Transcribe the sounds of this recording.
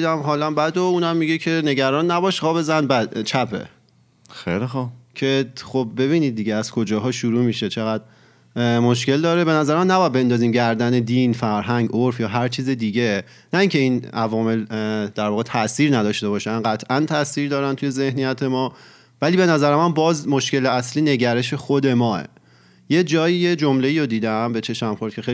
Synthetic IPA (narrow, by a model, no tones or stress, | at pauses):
d̪æmɦɒːlæmbæd̪ouːnæmːiɟecʰe̞ne̞ɟæɾɒːnːæbɒːʃɣɒːbezænbæd̪̥t͡ʃʰæpʰḛ | xḛjlixubcʰe̞χob̚be̞βiːniːd̪̚ːiːɟeæz̥kʰod͡ʒɒːɦɒːʃuɾuːmiːʃet͡ʃʰeɣæd̪ | moʃce̞ld̪ɒːɾe̞be̞næzæɾemænæbɒæd̪̚be̞nd̪ɒːziːmɟæɾd̪æne̞d̪iːnfæɾɦæŋɟʔoɾfjɒːɦæɾt͡ʃʰiːzed̪iːɟe | næiːŋcʰe̞iːnævɒːme̞ld̪æɾvɒːɣet̪ʰæʔsiːɾnæd̪ɒːʃt̪e̞bɒːʃænɢæt̪ʰʔænt̪ʰæsiːɾd̪ɒːɾænt̪ʰuje̞ze̞hnijæt̪ʰe̞mɒː | væliːbe̞næzæɾemænbɒːzmo̞ʃkce̞leæsliːne̞ɟæɾe̞ʃe̞xod̪e̞mɒːḛ | je̞d͡ʒɒːjije̞d͡ʒomle̞iːɾod̪iːd̪æmbe̞t͡ʃʰe̞ʃmæmxo̞ɾd̪cʰexe